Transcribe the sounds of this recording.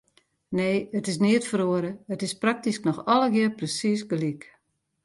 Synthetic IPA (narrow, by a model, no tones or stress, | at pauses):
neːətɪs̬niətfəɾoəɾəətɪsprak̚tisknɔxɔləɡɪərprəsis̬ɡəlik